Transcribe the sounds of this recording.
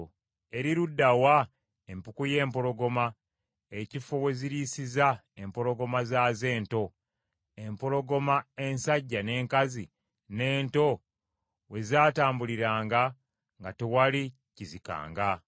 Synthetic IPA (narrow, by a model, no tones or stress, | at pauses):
e̞ɾiɾudːawa | empukuje̞ːmpo̞ɾo̞ɡo̞ma | ecifowe̞ziɾiːsiza | e̞mpo̞ɾo̞ɡo̞mazaːze̞ːnto̞ | empo̞ɾo̞ɡo̞mae̞nsaɟːane̞ːŋkazi | ne̞ːnto̞ | we̞zaːtaːmbuliɾaːŋɡa | ŋɡatewali | cizika̰ːŋɡa